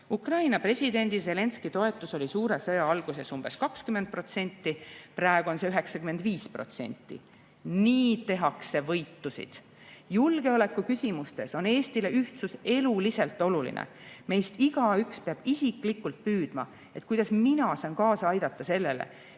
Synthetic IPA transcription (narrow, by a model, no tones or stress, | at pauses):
ukrɑjnɑpre̞sʲid̪e̞nʲd̪̥ise̞le̞nskit̪o̞e̞t̪ːˑuso̞lʲisuːɾe̞sɤjɑɑlɡ̥use̞sumb̥e̞skɑkskyme̞nd̪̚pro̞t̪se̞nʲt̪ːipɾæeɡ̥uo̞nse̞yɦe̞ksɑkymend̪viːspro̞̰t̪se̞̰nʲt̪ːˑḭ | niːt̪e̞ɦɑkse̞vɤ̞jt̪ːusḭd̪̥ | julɡ̥e̞o̞le̞kːˑukysʲimust̪e̞so̞ne̞ːst̪ile̞ʔyht̪suse̞lulise̞lt̪ːˑo̞lulḭnʔḛme̞jst̪iɡ̥ɑykspeɑb̥isiklikːˑult̪̚pyːd̪̥mɑ̰ | e̞t̪̚kujd̪̥ɑsminɑsɑːnkɑːsɑɑjd̪̥ɑt̪ˑːɑse̞lːe̞lḛ